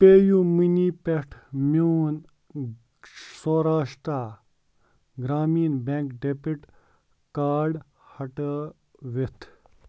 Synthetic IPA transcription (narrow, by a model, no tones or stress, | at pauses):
peːjuminipeʈʰmun | soɾaːʂt̪ɾa | ɡɾaːmiːnbẽŋkɖepiʈ | kaːɖ | hɐʈə | ʋet̪ʰ